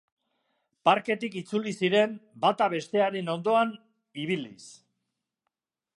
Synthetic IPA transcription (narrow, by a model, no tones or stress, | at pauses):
paɾke̞t̪ikit͡sulisiɾe̞mbat̪aβ̞e̞st̪e̞aɾeno̞nd̪o̞an | iβ̞ilḭs